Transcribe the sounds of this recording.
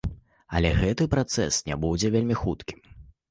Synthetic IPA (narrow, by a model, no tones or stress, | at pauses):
ɐ̰lʲɛɣɛt̪ɨpɾat̪sɛ̰snʲɛbud͡zʲɛvʲelʲmʲixut̪kʲi̥m